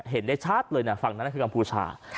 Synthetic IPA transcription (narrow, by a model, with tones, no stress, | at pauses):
ɦe˩˦ndaː˥˩jt͡ɕʰaː˥˩t̪̚lɤː˧jna˥˩fa˨˩ŋna˦˥˩kʰɯː˧ka˧mpʰuː˧t͡ɕʰa̰ː˧